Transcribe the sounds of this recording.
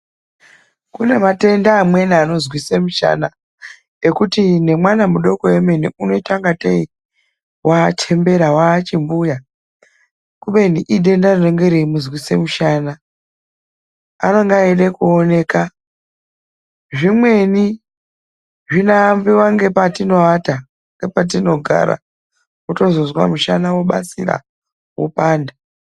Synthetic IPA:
kune̞mate̞ndaːmwe̞niano̞zwisemuʃa̰na | ekutine̞mwanamuɗo̞ko̞we̞meniuno̞taŋɡatei | wat͡ʃʰe̞mbe̞ɾawaːt͡ʃimbuja | kuɓe̞niʔiɗe̞ndarinoŋɡeɾimuzwisemuʃaːna | a̰noŋɡaeɗekuone̞ːka | ʐimwe̞ni | ʐinaːmbiwaŋɡe̞patino̞ata | ŋɡe̞pat̬ino̞ɡʱa̰ɾa̰ | uto̞zozwa̰muʃanawo̞ɓa̰sḭra̰ | wṵpaːnda

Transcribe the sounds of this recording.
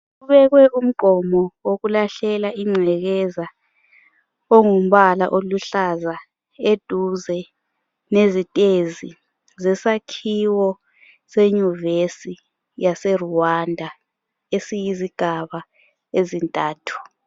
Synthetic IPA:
ɣɣuβɛɣwɛʔum̩ɡ͡ǃʱɔmɔwoɣulaɬɛlaʔiŋ͡ǀʱɛɣɛza | oŋum̩βala̰ʔoluɬaza | ed̥ʱuzɛ | nezitʼezi | zɛsakʰiwɔ | seɲuvesi | jasɛruwandʱa | esijiziɡ̥ʱaβa | ezintʼaːtʰu̥

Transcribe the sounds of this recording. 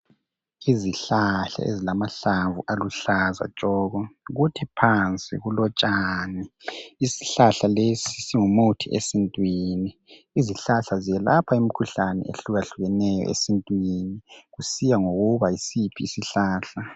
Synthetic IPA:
iziɬaɬa̰ḛzilamaɬaɱvuʔaluɬaza̰t͡ʃʼɔːɣɔɣutʰɛpʰant͡sʼḭɣulɔt͡ʃʼaniisi̥ɬaɬalesisiŋumutʰiʔḛsintʼwini | iziɬaɬazijɛlapʰaim̩kʰuɬanɛ̰ḛɬuɣaɬuɣɛnɛjɔ̰ʔḛsintʼwiniɣusijaŋoɣuβaisipʰisiɬaːɬa

